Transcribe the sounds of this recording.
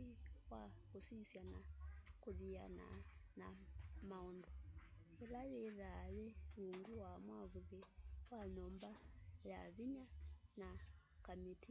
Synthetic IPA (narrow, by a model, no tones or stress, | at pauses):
iwakusisjana̰kuβia̰na̰namaɔndɔ | ilaβɛðaβɛwuŋɡuwamwaβuðɛwaɲɔmbaja̰βiɲana | kamiti